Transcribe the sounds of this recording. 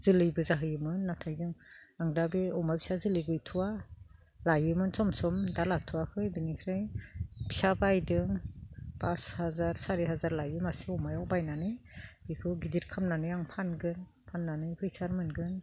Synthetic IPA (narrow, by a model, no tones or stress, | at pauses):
z̥ɯlɯjbɯzaɦɯjɯmɯnːatʰajzɯŋaŋdabiɔmajbʰi̥sazɯlɯɡɯjtʰuwa | lajɯmɯnsɔmsɔmdalatʰuwakʰɯjbinikʰɾajbisabajdɯŋpashazaɾsaɾiɦazaɾlajɯmasiɔmajɔwbajnanɯjbikʰɯɡizit̚kʰamnanɯjaŋpʰanɡɯn | pʰanːanɯjpʰɯjsaɾmɯnɡɯn